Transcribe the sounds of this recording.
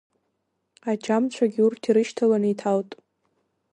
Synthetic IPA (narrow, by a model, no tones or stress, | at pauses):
at͡ʃamt͡ɕʷʰaɡʲurtʰiɾɨʃtʰalanitʰawtʼ